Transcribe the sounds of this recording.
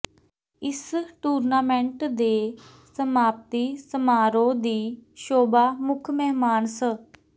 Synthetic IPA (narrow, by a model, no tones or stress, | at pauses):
ɪsʈuːɾnaːmɛ̃ɳʈd̪eː | səmaːp̚t̪iːsəmaːɾõːd̪iːʃoːbaːmʊkʰmɛɦmaːnsə